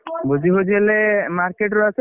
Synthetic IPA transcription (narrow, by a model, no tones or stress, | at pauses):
bud͡ʒiɦod͡ʒelemaɾkeʈɾɔat͡ʃʰ